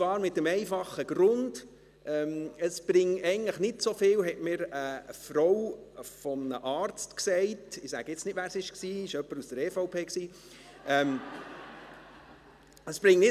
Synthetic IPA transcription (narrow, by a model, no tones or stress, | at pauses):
vɑːɾmɪt̚ːəmɛɪfɑχəɡ̥ɾʊnd̥ | ʔɛːməsb̥ɾɪŋɛɪɡən̩tləχnɪtsofɪːlɦɛtmɪːɾəfrɔwfɔmnəʔɑːɾt͡stksɛɪtɪsæ̰ɡ̥əɪt͡snɪtʋæːɾsɪʃksiːɪʃœpːəɾusd̥əɾɛfoʊpʰeːksiː | ɛm | əsb̥ɾɪŋnɪ